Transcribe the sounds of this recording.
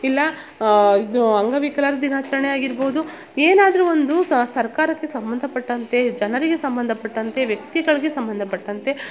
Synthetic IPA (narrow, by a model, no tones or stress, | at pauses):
ilːɐ | id̪uɐŋɡɐʋikɐlaːɾɐd̪inaːt͡ʃɐɾɐɳejaːɡiɾboːd̪u | eːnaːd̪ɐɾuo̞nd̪usɐɾkaːɾɐkːe̞sɐmbɐnd̪ʱɐpɐʈːɐnt̪e̞d͡ʒɐnɐɾiɡe̞sɐmbɐnd̪ʱɐpɐʈːɐnt̪e̞ʋjɐk̚t̪iɡɐɭiɡe̞sɐmbɐnd̪ʱɐpɐʈːɐnt̪e̞